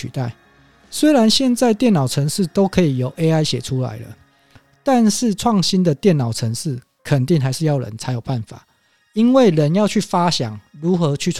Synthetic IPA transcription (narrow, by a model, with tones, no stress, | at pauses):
y̰˨˩t̪a˥˩ɪ | swe˥ɪɾa˧˦nɕjɛ˥˧nt͡sa˥˧ɪt̪jɛ˥˩nɑ˨˩ʊt͡sʰə˧˥ŋʂɻ̩˥˩˨t̪o˥ʊkʰɤ˧˥i˨˩jo˨˦ʊʔe˥ɪa˥ɪɕjɛ˨˩ʈ͡ʂʰu˦la̰˧˦ɪlə̰˧ | t̪a˥˧nʂɻ̩˥˨t͡sʰwɑ˥˩ŋɕi˦˥nd̪ə˨t̪jɛ˥˩nːɑ˨˩ʊʈ͡ʂʰə˧˦ŋʂɻ̩˥˩ | kʰə˨˩nt̪i˥˨ŋɦa˧ɪʂɻ̩˥˧jɑ˥˩ʊɻə̰˧˦nt͡sʰa˧˥ɪjo˨˩ʊpa˥˩nfa̰˨˩˦ | i˦nwe˥˩ɪɻə˨˦njɑ˥˧ʊt͡ɕʰy˥˩fa˦ɕjɑ̰˨˩˦ŋɻu˨˦xɤ˨˦t͡ɕʰy˥˧